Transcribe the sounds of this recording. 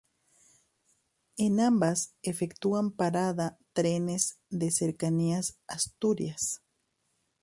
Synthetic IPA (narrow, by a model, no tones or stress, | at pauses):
enambasefekt̪uampaɾaðat̪ɾenez | ðeseɾkaniasast̪uɾjas